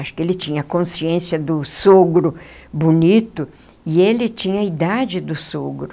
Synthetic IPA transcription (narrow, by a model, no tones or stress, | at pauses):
aʃʊ̥kɪelɪt͡ʃĩɲɐkõsiẽsjɐd̪ʊsoɡɾʊ | bonit̪ʊ | ɪelɪt͡ʃĩɲɐid̪ad͡ʒɪd̪ʊsoɡɾʊ